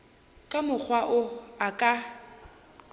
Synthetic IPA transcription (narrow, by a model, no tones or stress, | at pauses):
kʼamʊk͡xʰwaʔʊakʼa